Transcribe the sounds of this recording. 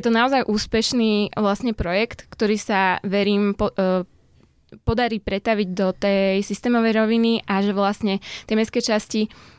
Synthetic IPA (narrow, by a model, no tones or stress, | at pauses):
jɛt̪ɔnaɔzajʔuːspɛʃniːʋlasɲɛpɾɔjɛkt̪kt̪ɔɾiːsaʋɛɾiːmpɔ | pɔd̪aɾiːpɾɛt̪aʋiɟd̪ɔt̪ɛjsist̪ɛːmɔʋɛjɾɔʋiniʔaʒɛʋlasɲɛt̪ɛmɛskɛːt͡ʃasci